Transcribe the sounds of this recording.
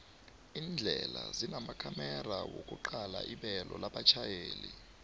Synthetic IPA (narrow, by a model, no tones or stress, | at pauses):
iːnd͡ɮʱɛlazinamakʰamɛrawokʼuǃalaʔiɓɛlɔlaɓat͡ʃʰajeːli